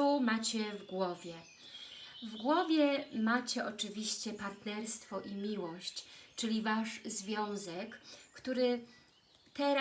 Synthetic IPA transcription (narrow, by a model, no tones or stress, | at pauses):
umat͡ɕɛvɡwɔvʲjɛ | vɡwɔvʲjɛmat͡ɕɛʔɔt͡ʂɘvʲiɕt͡ɕɛpaɾt̪nɛɾst̪fɔʔimʲiwɔɕt͡ɕt͡ʂɘlʲivaʂzvʲjɔ̃w̃zɛkːt̪uɾɘ | t̪ɛɾa